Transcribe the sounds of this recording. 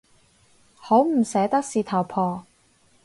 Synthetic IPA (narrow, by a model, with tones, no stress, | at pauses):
ho˨˥wm̩˨˩sɛː˨˥t̪ɐ˥k̚siː˨˧t̪ʰɐ˨˩wpʰɔː˨˩